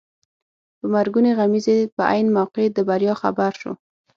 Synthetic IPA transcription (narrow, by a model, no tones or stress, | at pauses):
pəmaɾɡuneɣamizepəʔa̰jnmawqed̪əbaɾjɑxa̰baɾʃo̰